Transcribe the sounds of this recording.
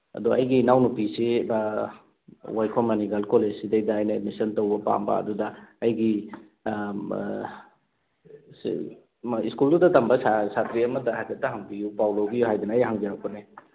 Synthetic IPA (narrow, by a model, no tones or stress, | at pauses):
ɐ̰duɐjɡinawnupiseba | wajkʰɔmɐniɡalkolesidejdɐːjnɐdmisɐntowbɐpa̰mbɐ̰ɐ̰dudɐːjɡi | s | iskuldudɐtɐmbɐsasatɾiɐmɐtɐɦakɐtːɐɦɐŋbijupawlowbijuɦajdunɐːjɦaŋzaɾakɔne